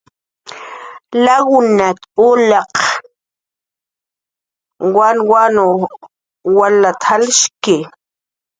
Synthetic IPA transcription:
laɣʊnat̪ʊlaq | wanwano | walat̪ʰalʃkɪ

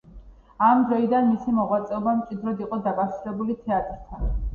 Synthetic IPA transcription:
amd̪ɾɔid̪anmisimɔʁwat̪sʼɛɔbamtt͡ʃʼid̪ɾɔd̪iqʼɔd̪akʼaɾsilɛbulit̪ʰɛat̪ʼɾt̪ʰa

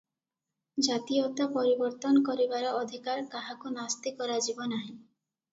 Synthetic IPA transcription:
d͡ʒat̪ijɔt̪apɔɾibɔɾt̪ɔnɔkɔɾibaɾɔɔd̪ʱikaɾkaɦakunast̪ikɔɾad͡ʒibɔnaɦĩ

